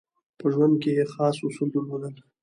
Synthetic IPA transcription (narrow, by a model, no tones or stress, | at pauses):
pəʒwand̪̚kejexɑːsʊsuld̪əlmanəl